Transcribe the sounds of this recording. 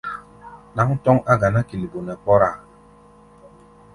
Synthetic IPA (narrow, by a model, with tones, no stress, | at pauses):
na˨˦ŋ˦tɔ˦ŋa˦ɡa˨na˦ki˨li˨bo˨nɛ˨pɔ˦ɾa˦˨